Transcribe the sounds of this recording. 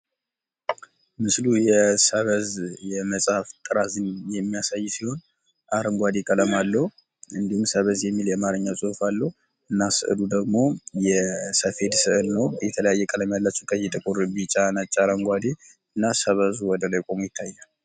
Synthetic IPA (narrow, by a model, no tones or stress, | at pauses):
mɨslujɛsəβəzjɛməsʼaft̪ʼɨɾazɨnjɛmːijasajːsiho̞n | ʔaɾəŋɡʷad̪ekʼələmalːəhu | ɨnd̪ihumsəβəzjɛmːiljɛmaɾɨɲːawsʼuhufalːəhu | ɨnːasɨ̰ʔɨ̰lud̪əɡmo̞jɛsəfe̞d̪sɨʔɨlnəwjɛt̪ʰələjajːɛkʼələmjalːat͡ʃːɛt̪ʼəjːɪt̪ʼɨkʼuɾbit͡ʃʼːanat͡ʃʼːaɾəŋɡʷad̪e | ɨnːasəβəzuwɔd̪əlajkʼomjɪt̪ʰːajːal